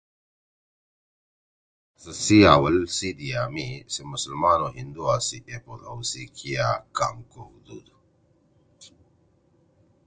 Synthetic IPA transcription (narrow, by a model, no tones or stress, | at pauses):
sɐsiaːwɐlsid̪ijaːmisimʊsəlmaːnoɦind̪uaːsiʔepoɾɐ̰wsikʰijaka̰ːmkohud̪ṵːd̪